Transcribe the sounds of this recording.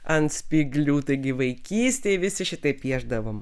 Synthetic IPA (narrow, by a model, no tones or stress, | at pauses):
ɐnt̪sʲpʲiɡlʲuːt̪ɐɪɡʲɪʋɐɪkʲiːsʲt̪ʲeːɪʋʲɪsʲɪʃʲɪt̪ɐɪpʲiɛʒd̪ɐʋoːm